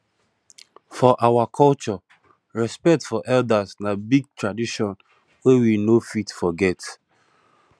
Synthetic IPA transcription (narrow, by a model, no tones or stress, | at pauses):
fɔʔawakʰɔlt͡ʃɔ | ɹɛspɛk̚tfɔʔɛldasnabiɡ̚tɹadiʃɔ̃n | wewinofitfɔɡɛt